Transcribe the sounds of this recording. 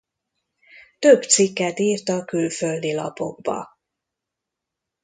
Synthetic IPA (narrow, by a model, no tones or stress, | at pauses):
t̪øbt̪sikːɛt̪iːrt̪ɒkylføld̪ilɒ̰po̞̰ɡ̚bɒ̰